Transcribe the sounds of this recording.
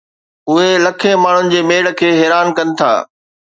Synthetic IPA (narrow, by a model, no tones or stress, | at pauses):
ʊɦelɐkʰẽmaːɳ̤ʊnɪ̆d͡ʑeːmeːɽə̆kʰeːɦɛːɾaːnkɐnɪ̆t̪ʰa̰ː